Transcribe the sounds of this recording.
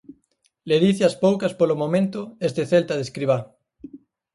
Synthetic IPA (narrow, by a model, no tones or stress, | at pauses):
leðiθɪaspowkɐspolomomẽnt̪ʊest̪eθelt̪aðeskɾiβ̞a